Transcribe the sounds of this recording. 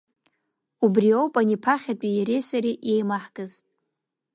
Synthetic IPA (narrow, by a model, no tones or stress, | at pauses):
ubriowpʼanipʰaχʲatʼijaɾejsaɾiʔjejmaħɡʼɨz